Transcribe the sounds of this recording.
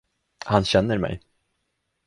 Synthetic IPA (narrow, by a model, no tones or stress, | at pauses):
hanɕɛnːəɾmɛ̰j